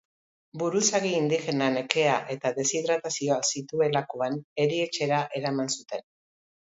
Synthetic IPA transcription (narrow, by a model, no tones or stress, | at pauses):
buɾusaɣiːnd̪ixe̞nane̞ke̞aʔe̞t̪aðe̞siðɾat̪asio̞asit̪ue̞lakoane̞ɾie̞t͡ʃe̞ɾaʔe̞ɾamansut̪e̞n